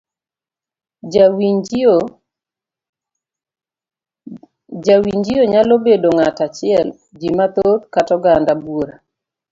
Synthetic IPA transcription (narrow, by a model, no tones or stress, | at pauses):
d͡ʒawiɲd͡ʒijoɲalobedoŋatat͡ʃɪɛl | d͡ʒimat̪od̪katɔɡandabwoɾa